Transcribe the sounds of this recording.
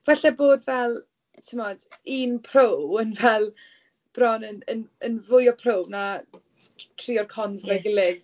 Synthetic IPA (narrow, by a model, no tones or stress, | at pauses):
vaɬɛboːdvɛlˠ | tʰɪmɔd̥iːnpʰrowənvɛlˠ | b̥rɔnənənənvʊjɔpʰrowbna | tʰriːɔrkʰɔnzlɛɡɪlˠɪɡ